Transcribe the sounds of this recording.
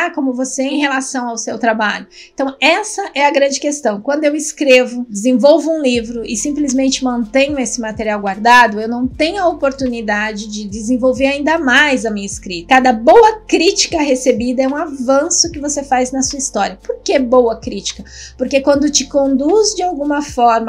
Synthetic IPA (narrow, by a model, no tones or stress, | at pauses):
akõmʊvoseẽj̃helasɐ̃w̃awsewt̪ɾabaʎʊ | ẽt̪ɐ̃w̃ɛsɐʔɛɐɡɾɐ̃nd͡ʒɪkest̪ɐ̃w̃kwɐ̃nd̪ʊewɪskɾevʊd͡ʒɪzẽvowvʊũlivɾʊʔɪsĩplizmẽnt͡ʃɪmɐ̃nt̪ẽɲʊesɪmat̪eɾiawɡwaɾd̪ad̪ʊewnɐ̃w̃t̪ẽɲʊɐopoɾt̪unid̪ad͡ʒɪd͡ʒɪd͡ʒ̪ɪzẽvowveɾaĩnd̪ɐmajzɐmĩɲɐɪskɾit̪ɐkad̪ɐbowɐkɾit͡ʃi̥kɐɦesebid̪ɐɛũavɐ̃sʊkɪvosefajznɐsuɐist̪ɔɾʲjiɐpoɾkebowɐkɾit͡ʃi̥kɐpoɾkekwɐ̃nd̪ʊt͡ʃɪkõnd̪uzd͡ʒɪawɡũmɐfɔɾmɐ